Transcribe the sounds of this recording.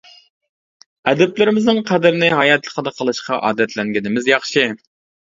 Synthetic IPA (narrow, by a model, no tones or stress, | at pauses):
ɛd̪ɛplɪɾɪmɪznɨŋqʰæd̪ɪɾɪnɪɦɑjɛt̪lˠəqʰəd̪ɑqʰəlˠɨʃqʰɑʔɑ̰ːd̪ɛt̪ʰlɛŋɡʲinɪmɪzjɑχʃɪ